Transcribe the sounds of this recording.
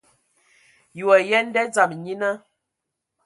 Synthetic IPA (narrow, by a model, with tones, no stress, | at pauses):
ju˨a˨jɛ˦n˦dɛ˦d͡za˨m˨ɲi˦nə˦